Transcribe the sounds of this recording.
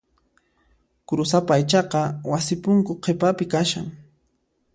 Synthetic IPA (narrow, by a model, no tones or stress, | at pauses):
kɾʊsapaːjt͡ʃɑqɑwasɪpʊŋkʊqʰepapɪkaʃaŋ